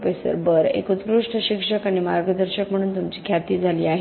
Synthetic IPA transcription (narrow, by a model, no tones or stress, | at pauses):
pəjsə̰ɾbəɾḛkut̪kɾuʂʈʰəɕikʂəkaɽ̃imaɾɡəd̪əɾɕəkm̤əɽ̃uːnt̪umt͡ɕiːkʰjat̪iːd͡zʱaliːaɦ